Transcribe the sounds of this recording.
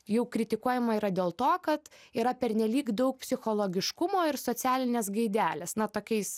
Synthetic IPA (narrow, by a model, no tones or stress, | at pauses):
jɛʊkɾʲɪt̪ʲɪkuɔjɛmɐiːɾɐd̪ʲeːlˠt̪oːkɐt̪iːɾɐpʲɛɾʲnʲɛlʲiːkd̪ɐʊk̚pʲsʲɪxoːlˠoːɡʲɪʃkʊmoːɪɾsoːt͡s̪ʲæːlʲɪnʲeːsɡɐɪd̪ʲæːlʲeːsnɐt̪oːkʲɛɪs